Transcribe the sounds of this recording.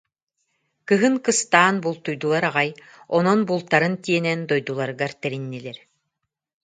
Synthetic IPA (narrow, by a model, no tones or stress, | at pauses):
kɯɦɯŋkɯst̪aːnbulˠt̪ujd̪ulˠaɾaʁaj | ɔnɔnbulˠt̪aɾɯnt̪iɛnɛnd̪ɔjd̪ulˠaɾɯɡaɾt̪ɛɾinːilɛɾ